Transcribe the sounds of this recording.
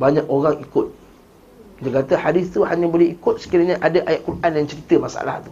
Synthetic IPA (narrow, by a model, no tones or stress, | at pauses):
baɲãkoɾaŋikʊt̪̚ | kid̪əkat̪əhadiθt̪uhaɲaboleikʊt̪̚sə̥kiɾaɲãʔadaʔajat̪̚kurʔanjaŋt͡ʃəɾit̪əmasa̰la̰ht̪u̥